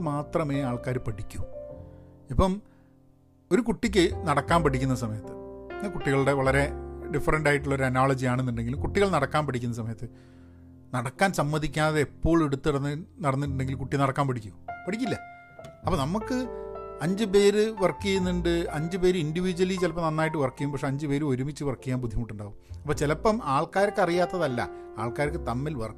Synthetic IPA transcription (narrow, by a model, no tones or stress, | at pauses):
maːt̪rɐme̞ːaːɭkaːɾpɐɽikʲːum | ipːɐm | o̞ɾukuʈːik̬ʲːɨnɐɽɐkːaːnpɐɽikʲːunːɐsɐmɐjɐt̪ːɨkuʈːiɣɐɭɨɽe̞ʋɐɭɐɾe̞ɖifːɐrɐɳɖaːjiʈːuɭːɐo̞ɾuɐnaːɭɐd͡ʑiaːɳenːuɳɖe̞ŋɡilumkuʈːiɣɐɭnɐɽɐkːaːnpɐʈikʲːunːɐs̬ɐmɐjɐt̪ːɨ | nɐɽɐkːaːnsɐmːɐðikʲːaːðeepːo̞ːɭeɽut̪ːɨɽɐnːɨnɐɽɐnːiʈ̬ːuɳɖeŋɡilkuʈːinɐɽɐkːaːmpɐɽikʲːupɐɽikʲːilːɐ | ɐpːoːnɐmukːɨɐɲd͡ʑɨp̬e̞ːɾɨʋɐrkːijunːiɳɖɨɐɲd͡ʑɨpe̞ːɾɨinɖiʋid͡ʑuwɐlit͡ɕelɐpːɐmnɐnːaːjiʈːɨʋɐrkːijumpɐkʂe̞ɐɲd͡ʑɨpe̞ːɾuo̞ɾumit͡ɕːɨʋɐrkijaːmpud̪ʱjimuʈːuɳɖaːʋumɐpːoːt͡ɕelɐpːɐmaːɭkaːɾɐkːɨɐrijaːt̪ːɐðɐlːɐ̰ | aːɭkaːɾɐkːɨt̪ɐmːilʋɐr